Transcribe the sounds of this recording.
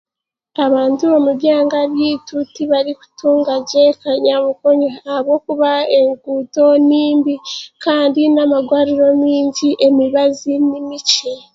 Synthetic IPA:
aβaːntuβo̞muβjaːŋɡaβjiːtutiβaɾiku̥tuːŋɡaɟekaɲamukoɲeahaβɡo̞kuβae̞ŋɡuto̞niːmbikaːndinamaɡwaːɾiɾo̞miːɲɟiʔe̞miβazinimice

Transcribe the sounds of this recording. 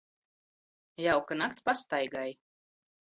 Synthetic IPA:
jawkanak̚t̪spast̪ajɡaj

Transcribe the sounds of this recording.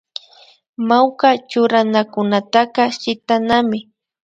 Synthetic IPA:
mawkat͡ʃʊɾanakʊnat̪aqɑʃɪt̪anamɪ

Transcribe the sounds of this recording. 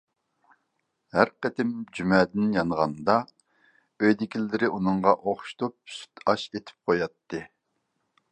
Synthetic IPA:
hæɾqət̪ʰɪmd͡ʒymɛːd̪ɪnjɑnəʁɑnd̪ɑ | øjd̪ɪkʲʰilːɪɾɪʔunɨŋʁɑʔoχʃu̥t̪ʰup̚sy̥t̪ʰɑʃet̪ʰɪ̥p̚qʰojɑt̪ːɨ

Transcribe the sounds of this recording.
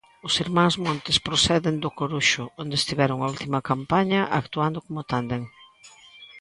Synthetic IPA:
ʊsiɾmãŋzmõnt̪ɪspɾosɛðend̪ʊkoɾuʃʊond̪est̪iβɛɾʊŋault̪imɐkampaɲɐʔakt̪uand̪ʊkomʊt̪and̪eŋ

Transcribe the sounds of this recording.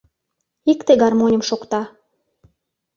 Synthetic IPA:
ikt̪eɡɑrmonʲəmʃokt̪ɑ

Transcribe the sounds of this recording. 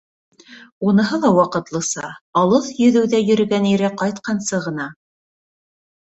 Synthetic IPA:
unɤ̆ɦɤlˠɑwɑqɤ̆t̪lˠɤ̆sɑɑlˠɤðjɵ̆ðɘ̆wðæjɵ̆ɾɘ̆ɡæniɾæqɑjt̪qɑnsɤʁɤ̆n̪ɑ

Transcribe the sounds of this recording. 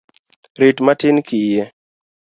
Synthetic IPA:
ɾɪtmatɪnkɪje

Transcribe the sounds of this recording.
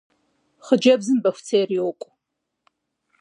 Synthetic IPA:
χəd͡ʒɐbzɨmbɐfʷt͡sʰeːriwkʷʼ

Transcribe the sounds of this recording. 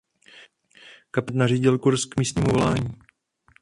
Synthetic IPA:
kapɪt̪nariːɟɪlkuɾskmiːst̪ɲiːmuvolaːɲiː

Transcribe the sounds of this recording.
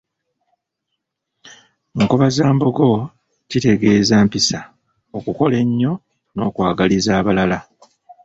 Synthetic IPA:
ŋkoβazaːmbo̞ɡo̞ | cite̞ɡe̞ːzaːmpisa | o̞kuko̞le̞ɲːo̞ | no̞ːkwaːɡalizaːβalala

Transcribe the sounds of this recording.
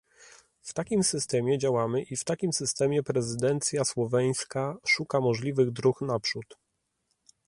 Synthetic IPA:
ft̪akʲimsɘst̪ɛmʲjɛd͡ʑawamɘʔift̪akʲimsɘst̪ɛmʲjɛpɾɛzɘd̪ɛnt̪sʲjaswɔvɛj̃skaʂukamɔʐlʲivɘɣd̪ɾuxnapʂut̪

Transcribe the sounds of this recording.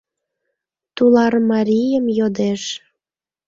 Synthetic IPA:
t̪ulɑrmɑɾʲijəmjod̪eʃ

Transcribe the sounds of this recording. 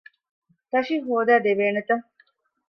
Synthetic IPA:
t̪ɐʃiɦuːd̪æːd̪eʋeːnet̪ɐ

